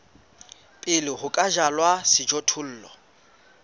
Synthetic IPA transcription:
pʼɪlɪhʊkʼaʒalwasɪd͡ʒɔtʰʊl̩ːlɔ̰

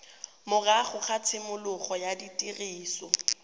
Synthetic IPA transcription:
mʊraχʊχat͡sʰɪmʊlʊχɔjaditʼiriːsɔ

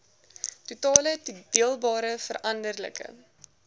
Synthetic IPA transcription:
tutɑːlətudiəlˠbɑːɾəfəɾʔɐndərlə̰kə̰

